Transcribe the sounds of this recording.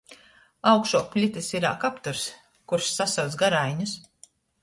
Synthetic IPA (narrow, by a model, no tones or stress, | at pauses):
awkʃuɔpʲlʲit̪ʲisiɾa̰ːkapt̪uɾs | kuɾʃːasawt̪sɡaɾajɲus